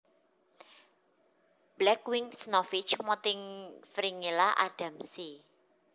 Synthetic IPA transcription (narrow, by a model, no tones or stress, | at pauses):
b̥lɛkwiŋsnɔfit͡ʃmɔt̪ɪŋfɾiŋilaʔa̰d̥a̤msi